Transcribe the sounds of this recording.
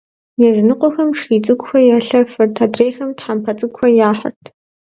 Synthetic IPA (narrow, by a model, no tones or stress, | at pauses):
jɛzɨnɨqʷʼɔxɐmʂiːt͡sʼɨɡʷʊxʷɐjaːɬɐfɨrtʰadreːxɐmtħampʰɐt͡sʼɨɡʷxʷɐjaːħɐ̰rtʰ